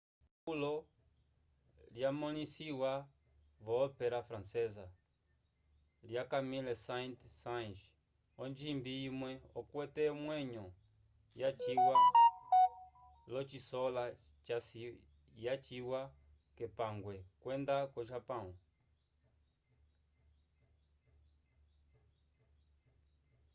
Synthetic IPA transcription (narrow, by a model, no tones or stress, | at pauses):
pulɔ | ljamɔnisiwa | vɔːpɛɾafɾansɛza | ljakamilɛsantsanʃ | ɔnd͡ʒimbiimwɛɔkwɛtɛmwɛɲɔ | jat͡ʃiwa | lɔt͡ʃisɔla | t͡ʃasi | jat͡ʃiwa | kɛpaŋɡwɛkwɛndakɔʃapaŋu